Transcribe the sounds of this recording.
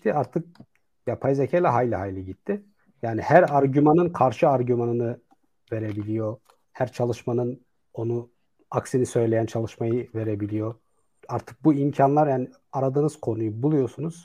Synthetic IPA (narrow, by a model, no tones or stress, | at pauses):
t̪ʰiaɾt̪ʰɯk̚ | japʰajzecʰejlʲɛɦajlʲiɦajlʲiɟit̪ʰːɪ | jaːnihæɾaɾɟymanɯnkʰaɾʃɯaɾɟymanɯnɯ | ve̞ɾebilʲijo̞ | hæɾt͡ʃʰalˠɯʃmanɯn | o̞nu | aksinisø̞jlʲe̞jænt͡ʃʰalˠɯʃmajɯve̞ɾebilʲijo̞ | aɾt̪ʰɯ̥k̚buimcʰanlˠaɾjaːni | aɾad̪ɯnɯz̥kʰo̞nujubulˠujo̞sunuz̥